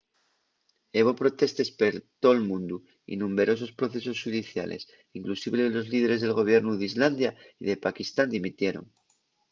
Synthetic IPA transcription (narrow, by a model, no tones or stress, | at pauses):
e̞βo̞pɾo̞t̪e̞st̪e̞speɾt̪o̞lmũnd̪u | ḭnũmbe̞ɾo̞s̬o̞spɾo̞θe̞s̬o̞sxuðiθja̰lʔe̞̰s | iŋklusiβlelo̞zlið̞e̞ɾezð̞e̞lɣo̞β̞je̞ɾnuðizland̪jaiðe̞pakist̪and̪imit̪je̞ɾo̰ŋ